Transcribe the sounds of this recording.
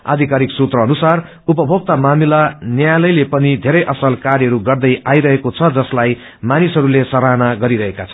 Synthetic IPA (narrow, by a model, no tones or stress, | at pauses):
a̰d̪ʱikaɾiksut̪rʌːnusar | upʌbʱoɡ̚t̪amamilanjajlʌjlepʌnid̪ʱeɾʌjʔʌsʌlkaɾjʌɾuɡʌrd̪ʌjajɾʌɦekot͡sʰʌd͡zʌslaj | manisʌɾulesʌɾanaɡʌɾiɾʌɦekat͡sʰʌ